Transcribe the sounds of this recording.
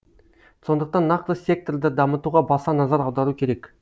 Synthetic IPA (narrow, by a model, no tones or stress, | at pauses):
so̞nd̪əq̚t̪ɑnːɑqt̪əsʲe̞k̚t̪ord̪əd̪ɑmət̪uʁɑbɑsɑnɑzɑɾɑwd̪ɑɾukʲʰe̞ɾe̞k